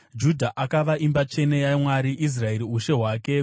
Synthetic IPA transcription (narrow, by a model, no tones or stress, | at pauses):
d͡ʒudʱaʔakaʋaʔimbat͡ʃe̞ne̞jamwaɾiʔis̬rae̞ɾiuʃe̞ɦwaːke̞